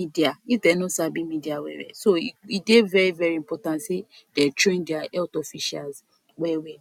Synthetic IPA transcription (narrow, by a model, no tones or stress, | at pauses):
idiaidɛnɔ̃sabimidiawɛ̰wɛ̰soiidevɛɹivɛɹiĩmpɔtãntse | d̥ɛtɹẽndɛaɛltɔfiʃa̰lz | wɛwɛ